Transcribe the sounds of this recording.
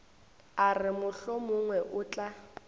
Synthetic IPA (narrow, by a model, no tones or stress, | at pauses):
arɪmʊɬɔmʊŋwɛʔʊːt͡ɬʼa